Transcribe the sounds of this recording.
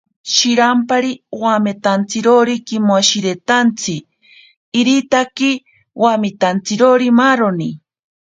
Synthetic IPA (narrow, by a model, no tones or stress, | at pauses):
ʃiɾampaɾiowamet̪ant͡siɾoɾikimoaʃiɾet̪ant͡sʰiː | ɾit̪aki | wamit̪ant͡siɾoɾimaːɾoni